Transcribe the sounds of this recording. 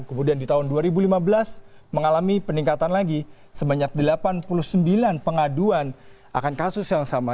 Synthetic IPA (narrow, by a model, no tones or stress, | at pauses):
kəmudiandit̪aɦʊnduaɾibulimabəlasməŋalamipəniŋkat̪anlaɡi | səbaɲak̚dəlapanpuluhsəmbilanpəŋaduan | ʔa̰kankasʊsjaŋsama